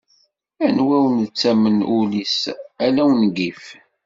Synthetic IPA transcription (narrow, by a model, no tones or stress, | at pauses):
ænwæwənt͡sːæmənulisælæwənɡif